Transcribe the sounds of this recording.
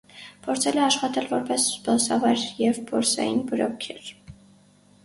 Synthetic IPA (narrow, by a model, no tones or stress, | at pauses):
pʰɔɾt͡sʰɛlɛɑʃχɑt̪ɛlvɔɾpɛsd̪ɔsɑvɑɾjɛvbɔɾsɑ̰jinbəɾɔkʰɛɾ